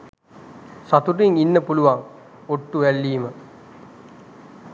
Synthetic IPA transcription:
sɐt̪uriŋinːəpuluʋaŋ | oʈːuʋælːiːmə

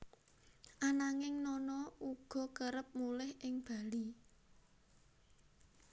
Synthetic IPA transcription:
ʔanaŋɪŋnɔnɔʔuɡ̥ɔ̤kəɾəp̚mulɛhʔɪŋb̥a̤li

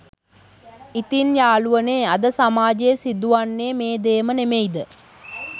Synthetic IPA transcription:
it̪injaːluʋəneːad̪əsamaːd͡ʒejəsid̪uʋanːeːmeːd̪eːmənemeid̪ə

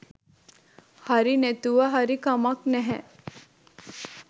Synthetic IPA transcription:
hɐɾinet̪uʋəɦɐɾikɐmɐknɛɦɛ

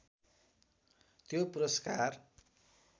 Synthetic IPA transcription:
t̪jopuɾʌskar

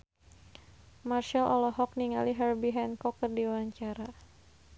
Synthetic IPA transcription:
marʃalʔɔ̰lɔɦɔk̚niŋa̰liɦɛrbiɦɛnkɔkːərdiwaɲt͡ʃaɾa

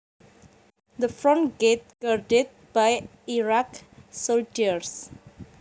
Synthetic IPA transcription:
d̪əfɹɔ̃nɡ̥et̚ɡ̥ardɪd̚b̥aj | iɹaksold͡ʒiəɹs

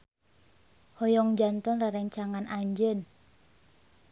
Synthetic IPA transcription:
hɔjɔŋd͡ʒant̪ɔnraɾɛɲt͡ʃaŋanaɲd͡ʒən

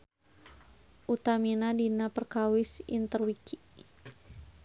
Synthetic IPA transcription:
ʔut̪aminadinapərkawɪsḭnt̪ərwiki

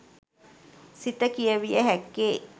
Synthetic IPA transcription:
sit̪əkijəʋijəɦækːeː

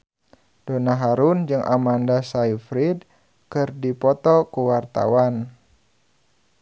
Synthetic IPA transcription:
d̥onaɦaɾund͡ʒɨŋʔa̰mandasaifɾid | kɨrdipɔt̪ɔkuwart̪a̰wan

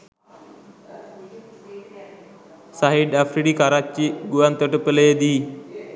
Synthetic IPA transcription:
saɦiɖafɾiɽiːkaɾat͡ɕiɡuʋant̪əʈəpələjed̪i

